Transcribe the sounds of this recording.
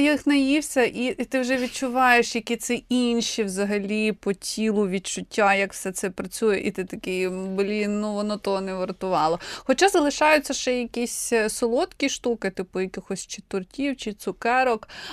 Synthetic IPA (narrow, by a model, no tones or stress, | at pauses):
jixnɐjiwsʲɐʔit̪ɪwʒɛʋʲid̚t͡ʃʊʋɑjeʃjɐkʲit̪sɪinʲʃiwzɐɦɐlʲipɔtʲʰilˠʊʋʲid̚t͡ʃʊtʲːajɐkwsɛt̪sɛpɾɐt͡sʲujɛʔit̪ɪt̪ɐkɪblʲinnuʋɔnɔt̪ɔɦɔnɛʋɐrt̪ʊʋɑlˠɔxɔt͡ʃazɐlˠɪʃɑjʊt͡sʲːɐʃɛjɐkʲisʲsɔlˠɔt̪kʲiʃt̪ukɪt̪ɪpʊjɐkʲɪxɔsʲt͡ʃɪt̪ʊrtʲiwt͡ʃɪt̪sʊkɛɾɔk